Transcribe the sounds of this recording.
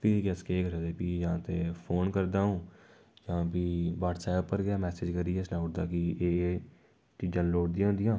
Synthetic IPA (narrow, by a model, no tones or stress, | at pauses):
pɪɡɛskeːɡəɾaːd̪eːpiːjãːt̪eːpʰoːnkəɾd̪aːũː | jãːpiːʋaːʈsɛːpːəɾɡɪaːmɛːseːd͡ʒkəɾiːɛːsnaːʊʈd̪aːkɪeː | t͡ʃiːd͡ʒãːnloːʈ̚d̪ijãːɦnd̪ɪjãː